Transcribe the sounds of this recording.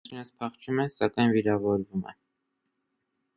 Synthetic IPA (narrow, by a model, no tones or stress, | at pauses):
inəspʰɑχt͡ʃʰumɛsɑkɑjnviɾɑvɔɾvumɛ̰